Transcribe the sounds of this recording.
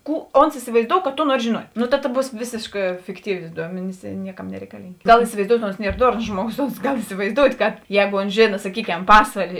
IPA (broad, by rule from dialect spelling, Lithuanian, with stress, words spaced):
ˈkuː oːns ɪsʲɪʋɐɪˈzdoːʊ kɐ ˈtoː ˈnuɔrʲɪ ʒʲeːˈnuɔtʲ noː tɐ tɐ ˈbuːs ˈʋʲeːsʲeːʃkɑː fʲɪkˈtʲiːʋʲeː ˈduɔmʲɛnʲɪs ɪ ˈnʲiɛˌkɐm nʲɛrʲɛɪkɐˈlʲiːŋʲkʲ ˈɡɐlˠ ɪsʲɪʋɐɪˈzdoːʊtʲ oːns ˈnʲiɛr ˈdoːrnoːs ˈʒmuɔˌɡoːs oːns ˈɡɐlˠ ɪsʲɪʋɐɪˈzdoːʊtʲ kɐt ˈjɛːɡoː oːns ˈʒʲeːnɐ sɐˈkʲiːˌkʲɛm ˈpɑːsʋɐlʲeː